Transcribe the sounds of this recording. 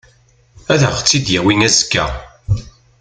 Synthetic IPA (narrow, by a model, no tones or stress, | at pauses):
æðəʁt͡sːid̪jæwinæzə̥kːæ̰